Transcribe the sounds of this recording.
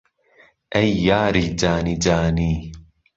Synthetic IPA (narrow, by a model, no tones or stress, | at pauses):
ʔajːaːɾid͡ʒaːnid͡ʒaːniː